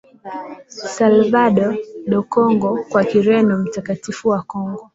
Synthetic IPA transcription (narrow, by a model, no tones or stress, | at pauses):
salvaɗɔɗɔkɔŋɡɔkwakiɾɛnɔm̩takatifuwakɔŋɡɔ